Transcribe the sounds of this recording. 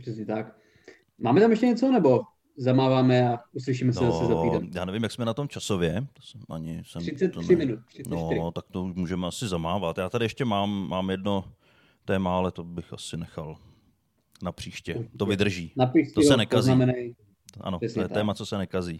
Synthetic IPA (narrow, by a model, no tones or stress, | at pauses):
pr̥ɛsɲɛt̪ak | maːmɛt̪amjɛʃcɛɲɛt͡sonɛbo | zamaːvaːmɛauslɪʃiːmɛsasɪzaijaːnɛvɪmjaksmɛnat̪o̞mt͡ʃasovjɛt̪o̥sɛmʔa̰ɲɪsɛmɾɪɛt̪mɪnut̪ɾɪnoɾt̪ak̚t̪ouʃmuːʒɛmɛasɪzamaːvat̪jaːt̪adɪjɛʃcɛmaːmːaːmjɛdno̞ | t̪ɛːmaalɛt̪o̞bɪxa̰sɪnɛxal | napr̥iːʃcɛt̪ovɪd̪r̩ʒiːnapist̪oɛsɛnɛkazamɛnaj | ʔa̰noɛsojɛt̪ɛːmat͡sosɛnɛkaziː